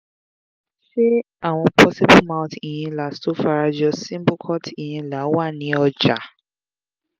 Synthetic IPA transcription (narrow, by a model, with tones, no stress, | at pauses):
ʃe˦ | a˦˨w̃ɔ̃˧pʰɔ˦si˦bu˦mã˧ʊ̃˦ti˨jĩ˧la˨sto˨˦fa˧ɾa˧d͡ʒɔ˧sĩ˦bo˦kʰɔ˦ti˨jĩ˧la˨˦wa˦˨nĩ˨˦ɔ˧d͡ʒa˨˦